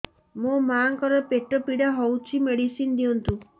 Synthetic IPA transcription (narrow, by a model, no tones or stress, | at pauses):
mumaŋkɔɾɔpeʈɔpiɽaɦowt͡ʃʰimeɽisind̪iɔnt̪u